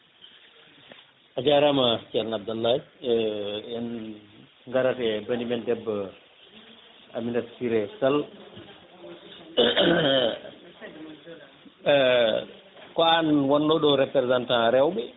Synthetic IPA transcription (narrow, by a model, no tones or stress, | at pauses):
ʔad͡ʒaɾamat͡ʃalnab̚dalːa | ɛn | ŋɡaɾatɛbanimɛndɛbː | a̰minatsiɾɛsal | kːnwɔnːɔɗɔɾɛpɾɛzantãɾɛwbɛ